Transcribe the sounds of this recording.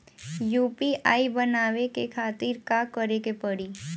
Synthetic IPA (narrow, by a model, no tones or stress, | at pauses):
juːpiʔaːibənaːʋekekʰaːt̪ɪɾkakəɾekepəɽi